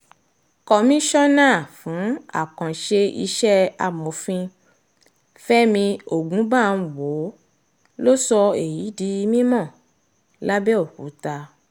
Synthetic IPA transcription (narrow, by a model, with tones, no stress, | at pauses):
kɔ˨mĩ˦ʃɔ˦nãː˦˨fũ˨˦a̰˨kã˨ʃe˧ḭ˧ʃɛ˦a˧mo˨˦fĩ˧ | fɛ˦mĩ˧o˨ɡũ˨˦ba˦˨˧n̩˧˦wo˨˦ | lo˦sɔ˧e˨ji˨˦di˧i˧mĩ˦mɔ̃˦˨ | la˦bɛ˦o˦˨kṵ˨˦ta˧